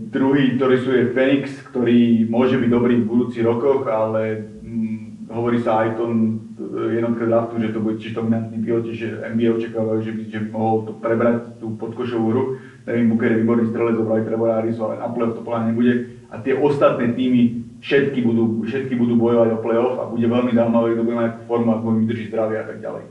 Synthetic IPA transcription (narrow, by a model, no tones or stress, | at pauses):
d̪ɾuɦiːk̚t̪ɔɾiːsuːjɛfɛnikskt̪ɔɾiːmʊɔʒɛbiɟd̪ɔbɾiːvbud̪uːt͡siɦɾɔkɔɣalɛ | ɦɔʋɔɾiːsaajt̪ɔn | jɛd̪nɔt̪kɛd̪ɾaft̪uʒɛt̪ɔbuɟɛcɪɛʒd̪ɔminant̪̚nipilɔcɛʒɛɛ̰mbiɛɔt͡ʃakaːʋajuʒɛbiʒɛmɔɦɔlt̪ɔpɾɛbɾact̪uːpɔt̪kɔʃɔʋuːɦɾu | nɛʋimbukɛɾjɛʋiːbɔɾnist̪ɾɛlɛzɔbɾaʋit̪ɾɛbɔaɾisualɛ̰na̰plɛɔft̪ɔ̥pənaɲɛbuɟɛ | ʔa̰t̪ɪɛʔɔst̪at̪nɛːt̪iːmifʃɛt̪kibud̪uːʃɛt̪kibud̪uːbɔjɔʋaɟɔplɛɔfa̰buɟɛʋɛlmizawmaʋɛkɡd̪ɔbuɟɛmat̪ːakuːfɔɾmuaɡmɔimid̪r̩ʒiɟzd̪ɾaʋɛat̪aɡ̚ɟa̰lɛ̰j